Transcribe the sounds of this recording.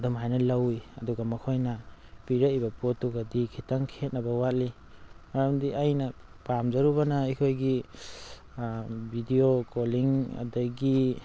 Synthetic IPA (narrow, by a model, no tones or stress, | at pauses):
dɔmɦajnɐlawiɐduɡamɐkʰojnapiɾaibɐpotːuɡadikʰitaŋkʰet̚nɐbɐwat̚li | mɐɾamdiʔajnɐpamzaɾuβanaikʰojɡi | bʱidiokoliŋa̰daɡi